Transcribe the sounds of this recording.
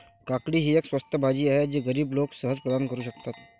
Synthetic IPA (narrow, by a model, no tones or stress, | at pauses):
kakɽiɦieːkswəst̪ʰjəbʱad͡ʒijəɦɛd͡ʒiɡəɾiːbloːɡsəɦəzpɾəd̪aːnkəɾuʃəkt̪aːt̪ʰ